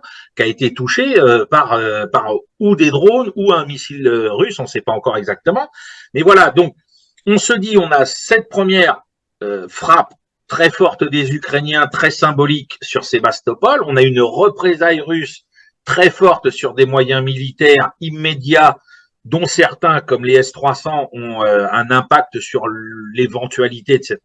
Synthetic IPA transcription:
kʲaet̪et̪uʃeøpaʁøpaʁud̪ed̪ʁonuɛ̃misiløʁysɔ̃sɛpaɑ̃kɔʁɛɡzak̚t̪əmɑ̃mɛvwalad̪ɔ̃k̚ | ɔ̃səd̪iɔ̃nasɛt̪̚pχəmjɛʁ | øfχap | t̪χɛfɔʁt̪d̪ezykχenjɛ̃t̪χɛsɛ̃bɔliksyʁsebast̪ɔpɔlɔ̃naynʁəpχezajʁys | t̪χɛfɔʁt̪syʁd̪emwajɛ̃milit̪ɛʁimːed̪ja | d̪ɔ̃sɛʁt̪ɛ̃kɔmleɛst̪χwasɑ̃ɔ̃øɛ̃nɛ̃pak̚t̪əsyʁlevɑ̃t̪ɥalit̪ed̪əsɛt̪̚

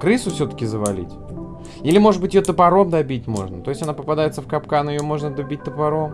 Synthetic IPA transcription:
kɾɨsʊfsʲɵt̪ə̥kʲɪzəvɐlʲḭtʲ | ilʲɪmo̞ʐɨd̪̚bɨtʲɪjot̪əpɐɾo̞md̪ɐbʲit̚ʲmo̞̰ʐnət̪o̞ɪsʲtʲanapəpɐd̪ajɪt̪səfkɐpkanɪjomo̞ʐnəd̪ɐbʲit̚ʲt̪əpɐɾo̞m

